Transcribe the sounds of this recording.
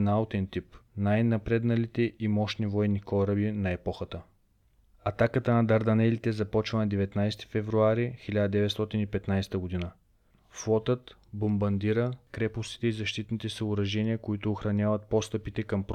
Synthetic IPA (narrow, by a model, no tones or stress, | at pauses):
naot̪ɛnt̪ipnajnɐpɾɛd̪nɐlit̪ɛʔimɔʃnivɔɛnikɔɾɐbinɐɛpɔxət̪ə | ɐt̪akət̪ənɐd̪ɐɾd̪ɐnɛlit̪ɛzɐpɔt͡ʃvɐnɐd̪ɛvɛt̪najst̪i̥fɛvɾuaɾixilʲad̪əd̪ɛvɛt̪st̪ɔt̪inipɛt̪najsɛ̥t̪əɡod̪inə | flˠɔt̪ət̪bombɐnd̪iɾəkɾɛpost̪i̥t̪ɛizɐʃt̪it̪nit̪ɛsɐʊɾɐʒɛnʲiəkoit̪ʊːxɾɐnʲjavɐt̪̚pɔst̪əpit̪ɛkɐmpɾ